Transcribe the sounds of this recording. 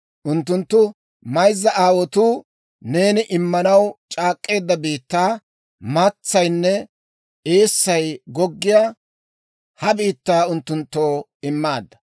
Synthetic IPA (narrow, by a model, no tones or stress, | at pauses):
ʔʊnt̪ːʊnt̪ːʊ | mɐjzːɐʔaːwɔt̪uː | ne̞ːnɪʔɪmːɐnɐwt͡ʃʼaːkʼːe̞ːd̪ːɐbiːt̪ːaː | mat͡sːɐjnːɛ | e̞ːsːɐjɡɔɡːɪjaː | hɐbiːt̪ːaːʊnt̪ːʊnt̪ːo̞ː | ɪmːaːd̪ːɐ̥